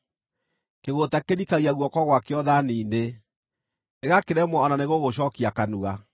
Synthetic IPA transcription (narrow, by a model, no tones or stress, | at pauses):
keɣotakeɾikaɣiaɣwɔkɔɣwakeɔðaniːnde | eɣakeɾɛmwaɔnaneɣoɣoɕɔːkiakanuɣa